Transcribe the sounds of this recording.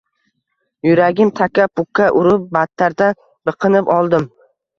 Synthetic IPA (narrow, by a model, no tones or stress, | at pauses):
jʊɾaɡʲɪmt̪ʰakʲapʊkʰːaʔʊɾʊp̚bat̪ʰːaɾd̪a | bɨqʰɨnɪpɒlˠd̪ɪm